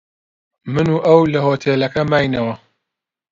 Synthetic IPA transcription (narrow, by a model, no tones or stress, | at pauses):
mɨnuːʔɐwlɐhoːt̪ʰeːlɐkɐmaːjnɐwɐ